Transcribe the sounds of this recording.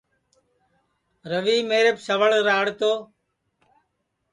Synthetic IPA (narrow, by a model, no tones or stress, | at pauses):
ɾəʋiːmeːɾepsəʋəɭɾaːɽt̪oː